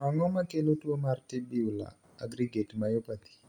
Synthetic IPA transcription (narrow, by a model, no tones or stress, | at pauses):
aŋɔmakelotwomartibiula̰ | a̰ɡɾiɡetmajopat̪i̥